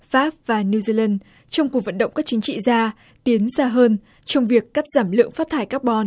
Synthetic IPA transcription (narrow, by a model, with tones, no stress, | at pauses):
faː˦˥p̚vaː˨˩ni˧wzi˧lə˧n | t͡ɕɔ˧wŋ͡mku˨˩k̚və̰˧˨nɗə̰˧˨wŋ͡mkaː˦˥k̚t͡ɕï˨˦ŋ̟t͡ɕḭ˧˨zaː˧ | t̪i˨˦ənsaː˧ɦəː˧n | t͡ɕɔ˧wŋ͡mvi˨˩əkːaː˦˥k̚z̥aː˧˩mlɨ̰˧˨əŋfa˦˥t̪ʰaː˧˩jkaː˦˥k̚ɓɔ˧n